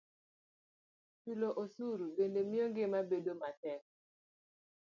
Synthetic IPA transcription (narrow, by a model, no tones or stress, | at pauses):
t͡ʃuloʔosuɾubendemɪjoŋɡɪmabedomatɛk̚